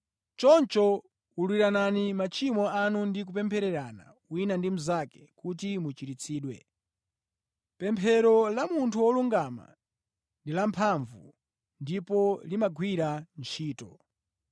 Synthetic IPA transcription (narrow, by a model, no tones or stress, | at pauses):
t͡ʃɔnt͡ʃɔ | ulwiɾananimat͡ʃʰimɔanundik̬upɛmpʰɛɾɛɾana̰ | winandim̩zakɛ̥kutimut͡ʃiɾit͡sʰiːɗwɛ̰ | pɛmpʰɛɾɔlamuntʰuwɔluŋɡama̰ | ndilampʰaɱvṵ | ndipɔlimaɡʱwiɾant͡ʃʰiːtɔ